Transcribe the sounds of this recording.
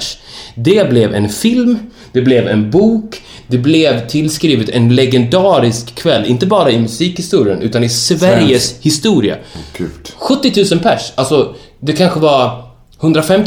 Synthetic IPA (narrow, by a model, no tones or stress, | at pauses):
ʂd̪ɛblɛvɛ̰nfɪlm | d̪ɛblɛvɛnbuːk | d̪ɛblɛvt̪ʰɪlskɾiːvət̪ɛnlɛɡɛnd̪ɑːɾɪskʰːvɛlːɪnt̪əbɑːɾaɪmɵsiːkhɪst̪uːɾɪənʔʉ̟ːt̪anɪsvæɾjəshɪst̪uːɾɪa̰ | ɧɵt̪ːɪt̪ʰʉ̟ːsənpʰæʂalsɔ | d̪ɛkʰanɧəvaɾ | hɵnd̪ɾafɛmt̪